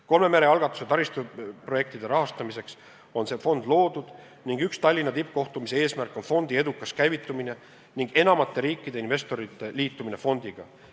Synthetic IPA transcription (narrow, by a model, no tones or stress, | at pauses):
ko̞lme̞meɾe̞ɑlɡ̥ɑt̪ːˑu̥se̞t̪ɑɾist̪upro̞je̞kt̪id̪̥e̞ɾɑɦɑst̪ɑmise̞ks | o̞nse̞ːfo̞nd̪lo̞ːd̪̥ud̪̥ | niŋɡykst̪ɑlʲːinːɑt̪ip̚ːˑko̞ht̪umise̞e̞ːsmærkːˑo̞nfo̞nd̪̥ie̞d̪ukːˑɑskæjvit̪ːˑumine̞ | niŋɡ̥e̞nɑmɑt̪ːe̞ɾiːkˑːid̪e̞inve̞st̪o̞ɾit̪ːˑe̞liːt̪ːˑumine̞fo̞nd̪̥iɡ̥ɑ